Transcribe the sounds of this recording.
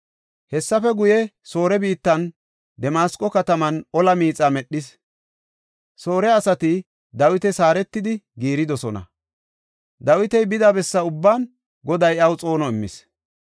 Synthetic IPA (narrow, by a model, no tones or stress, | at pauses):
hɛsːɐfɛɡʊjɛso̞ːɾɛbiːt̪ːɐn | d̪ɛmaːskʼɔkɐt̪ɐmɐnɔlɐmiːt͡sʼamɛɗːɪs | so̞ːɾɛɐsɐt̪ɪ | d̪ɐwɪt̪ɛsaːɾɛt̪ːɪd̪ɪɡiːɾɪd̪ɔsɔnɐ̰ | d̪ɐwɪt̪ɛjbɪd̪ɐbɛsːɐʊbːaːn | ɡɔd̪ɐjɐwt͡sʼo̞ːnɔɪmːɪ̰s